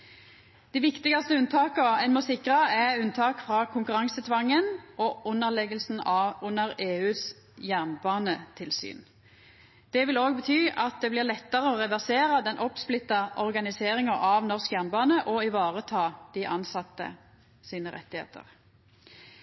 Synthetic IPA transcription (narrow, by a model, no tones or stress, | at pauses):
d̪̥ɪːʋɪkt̪ɪɡɑst̪əʉnt̪ʰɑːkəɛnmɔsɪkʁɑɛʉnt̪ʰɑːkfʁɑːkʰʊŋkʉʁɑŋsət̪ʰʋɑŋːənʔɔʊnːəʁlɛɡəlsn̩ɑʊnːəʁeːʉːs | jæʁnbɑːnət̪ʰɪlsy̰ːn | d̪̥ɛʋɪloːɡbət̪ʰyːʔɑt̪̚d̪ɛblɪʁlɛt̪ːəʁəɔʁɛʋæʁseːʁəd̪ɛnʔɔpsplɪt̪ːɑʔɔʁɡɑnɪseːʁɪŋɑʔɑʋnɔʁskjæʁnbɑːnəʔɔɪʋɑːʁət̪ʰɑːd̪̥ɪʔɑnsɑt̪ːə̰ | siːnəʁɛ̰t̪ːɪhḛːt̪ʰə̰ʁ